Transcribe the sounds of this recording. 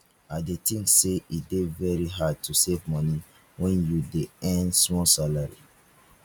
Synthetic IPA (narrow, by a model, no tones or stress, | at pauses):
adetĩŋseidevɛɹiɦad̚tʰusevmɔni | wɛ̃njudeɛ̃ndsmɔsalaɹi